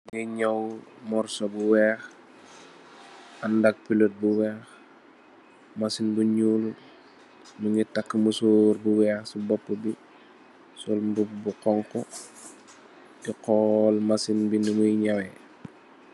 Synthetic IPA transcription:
mŋiɲawmɔrsobuwɛːx | andak̚pilot̚buwɛːx | masinbuɲul | muŋitakːəmusuɾbuwɛːxsubɔpːəbi | solmbubuqɔŋkɔ | diqɔlmasinbinumujɲawe

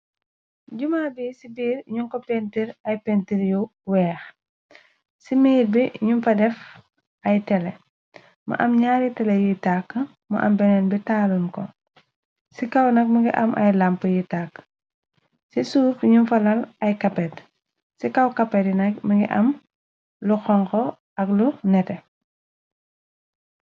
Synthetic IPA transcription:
ɟumaːbisibiːɾɲuŋkopɛntiɾɐjpentiɾjuwɛːx | simiːɾbiɲunfɐdɛf | ɐjtɛle | mɐ̰ʔɐmɲaːɾitɛlejitakː | mɐ̰ʔɐ̰mbɛnɛːnbitaːlunkɔ̰ | sikɐwnɐk̚mɐɡiʔɐmʔɐ̰jlɐmpəjitakː | sisuːfɲumfɐlɐlɐjkɐpːɛt | sikɐwkɐpːɛdinɐk̚mɐŋɡḭʔɐm | luxɔŋkɔ | ɐklunɛtɛ

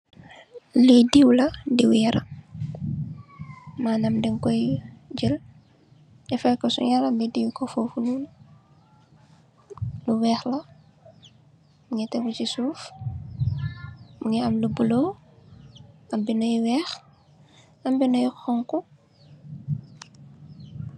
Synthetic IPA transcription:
lidiwlɐdiwjɐɾʔɐ̰ | maːnɐmdɛŋkɔjɟəl | ɛfɛkɔsṵɲalɐmbidiwkɔfofunuːn | luwɛːxlɐ | muŋɛtɛwut͡ʃisuːf | muŋiɐmlubulo | ɐmbinɐjwɛːx | ɐmbinɐjxɔŋku

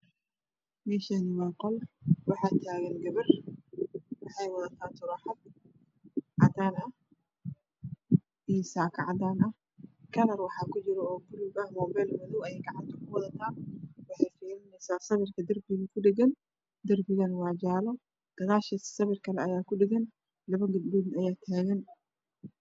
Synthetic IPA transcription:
mɛːʃanɪwɑːqɔlwɑħɑːt̪ʰaːɣɛnɡɐβɪr | wɑħɑjwɑðɐt̪ʰaːt̪ʰʊɾɑħɑd̪̚ | ʕɑt̪ʰaːlɐ | ʔijsaːkʰɑʕɑd̪aːnɐh | kʰɐlɐrwɑħɑːkʰʊt͡ʃɪɾɔɔːɡʊlubɐhmɔːbɛːlmʊðɔwɐjɛjɡɑʕɑnt̪ʰɔkʰʊwɑðɐt̪ʰaːwɑħɑjfɛːɾɪnɛjsaːsɐβɪrkʰɐd̪ɐrbɪɣɐkʰʊɖɛɡɐn | d̪ɐrbɪɣɐnwɑːd͡ʒaːlɔ | d̪̥ɐɣaːʃɐ̥sɐβɪrkʰɐlɛɐjaːkʰʊɖɪɡɐn | lɐβɐɡʊd̪budnɐjaːt̪ʰaːɣɐn

